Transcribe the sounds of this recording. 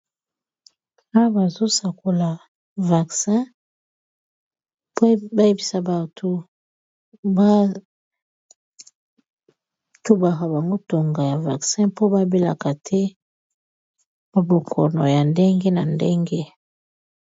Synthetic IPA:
a˦ba˨zo˦sa˨ko˨la˨ | va˨ksɛ̃˦ | pba˦je˦bi˦sa˨ba˨tʰo˨ | ba˦ | tu˦ba˨ka˨ba˨ŋɡo˦to˨ŋɡa˨ja˨va̰˨ksɛ̃˦po˦ba˦be˦la̰˨ka˨tʰɛ˦ | ba˨bo˨kʰɔ̰˨nɔ˨ja˨nde˦ŋɡe˦na˨nde˦ŋɡe˦

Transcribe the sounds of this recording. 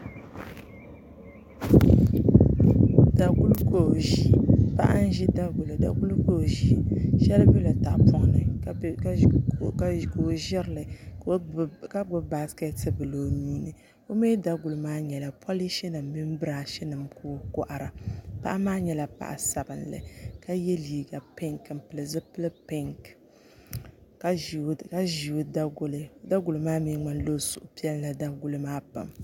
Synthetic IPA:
da˨ɡu˦lko˦o˨ʒi˦pa̰˦ʔa̰˦n˦ʒi˦da˦ɡʊ˨lɨ˨da̰˨ɡu˦lko˦o˨ʒi˦ʃɛ˦lbɛ˦la˨ta˨ʔpɔ˦ŋ˦nɨ˨˦ | ka˦˨ko˨ʒɛ˦ɾlɨ˨ | ka˦ɡ͡bʊ˦ba˨skɛ˦tɨ˦bɨ˨lo˨nuː˦nɨ˨ | o˦me˦da˦ɡʊ˨lɨ˦maː˦ɲɛ˨la˨pʰɔ˦li˦ʃɛ˦nɨ˨mːi˦m˦bɨ˦ɾa˨ʃɛ˦nɨ˨mko˦kɔ˦ʔa˨ɾa˨pa̰˦ʔa˦maː˦ɲɛ˦la˨pa̰˨ʔa̰˨sa˨bɨ˨nlɨ̰˨ka˦jɛ˦liː˨ɡa˨pɛ˦ŋkm̩˨pɨ˨lɨ˨zɨ˦pɨ˦lɨ˦pɛ˦ŋk | ka˦ʒi˨u˨da˦ɡʊ˦lɨ˨˦da˦ɡʊ˨lɨ˨maː˦mi˦ŋ͡ma˦n˦lo˦zʊ˨ʔʊ˨pi˦ɛ˦lla˨da˦ɡu˨lɨ˦maː˦pa̰˨m

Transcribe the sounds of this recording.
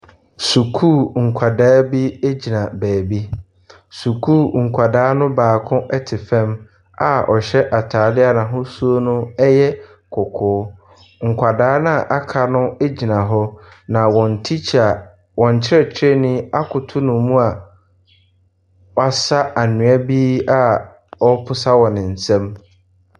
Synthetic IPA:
su˨kʰuː˦˨ŋ̩˨kʷʰa˨daː˦bi˦e˦d͡ʑi˨nã˨bæː˨bi˦ | su˨kʰuː˦˨ŋ̩˨kʷʰa˨daː˦nʊ̃˦baː˨kʰʊ̃˦ʔɛ˦tʰɪ˨fɛ̃˦m | a̰˨ʔɔ˨ɕɛ˦ʔa˨tʰaː˨dɪ˦a˨nã˨ɦʊ̃˦su˦o˦nʊ̃˦ɛ˦jɛ˦ | kʰʊ˨kʰʊː˨˦ | ŋ̩˨kʷʰa˨daː˦nã˦˨ʔa˦kʰa˨nʊ̃˦e˦d͡ʑi˨nã˨ɦɔ˦ | nã˨wɔ̃˨n̩˨tʰi˦t͡ɕʰa˨ | wɔ̃˨ɲ˨t͡ɕʰɪ˦ɾɛ˨t͡ɕʰɪ˦ɛ˦˨nɪ̃˦a˦kʰʊ˨tʰʊ˦nʊ̃˨mũ˦a˨ | wa˨sa˦a˨nʊ̃˨a˦biː˦a˦ | ɔ˦pʰʊ˦sa˦wɔ̃˨nɪ̃˨n̩˨sɛ̃˦m

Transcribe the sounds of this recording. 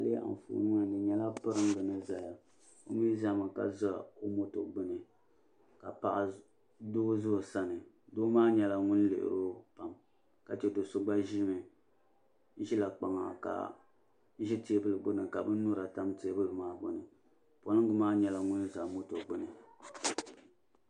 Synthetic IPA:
a˨lɨ˦ʔa̰˨n˨fṵː˨˦nɨ˦ŋa˨nɨ˨ɲɛ˦la˦pɨ˦ɾɨ˦ŋ˦ɡɨ˨nɨ˦za˨ja˨ | o˦miː˦za˦mɨ˨ka̰˨za˦o˦mo˦to̰˨ɡ͡bɨ˦nɨ˨ | ka˨pa˨ʔa˨ | do˦zʊ˦˨sa˦nɨ˨ | do˦maː˦ɲɛ˨la˨ŋʊ˦n˦lḛ˨ʔɨ̰˨ɾo˦pa˨m | ka˨t͡ʃɛ˦do˨sʊ˦ɡ͡ba˦ʒi˦mɨ˨˦ | ʒi˦la˨k͡pa˨ŋa̰˨ka̰˨˦ | ʒi˦te˦bɨ˦lɨ˨ɡ͡bɨ˦nɨ˨ka˨bɨ˦nʊ˦ɾa˨ta˦mte˨˦bɨ˦lɨ˨maː˦ɡ͡bo˨nɨ˨ | po˨lɨ˦ŋ˦ɡɨ˦maː˦ɲɛ˨la˨ŋʊ˦nza˨mo˦to˨ɡ͡bɨ˦nɨ˨

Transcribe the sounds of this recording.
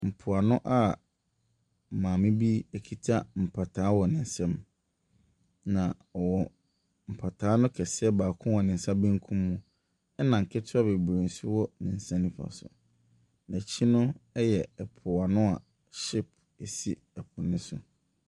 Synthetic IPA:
m̩˨pʰʊ˨a˨nʊ̃˦ʔa˦˨ | mãː˨mɪ̃˦bi˦e˦kʰi˦tʰa˦m̩˨pʰa˨tʰaː˨˦wɔ˨nɪ̃˨n̩˨sɛ̃˦m | nã˨ | ɔ˨wɔ˨ | m̩˨pʰa˨tʰaː˨˦nʊ̃˦kʰɛ˨sɛ˦baː˨kʰʊ̃˦wɔ˨nɪ̃˨n̩˨sa˦bĩ˦ŋ̩˦kʰũ˦mːũ˦ | ɛ˦nã˨ŋ̩˨kʰɪ˦tʰʊ˦a˦be˨bɾẽ˨n˨sʊ˦wɔ˦nɪ̃˨n̩˨sɛ̃˦mnɪ̃˦fa̰˨sʊ̰˨ | næ̃˨t͡ɕʰi˦nʊ̃˦ɛ˦jɛ˨ɛ˨pʰʊ˨a˨nʊ̃˦a˨ | ɕɪ˦p̚ | e˨si˦ | ɛ˨pʰʊ˨nɪ̃˦sʊ̰˨

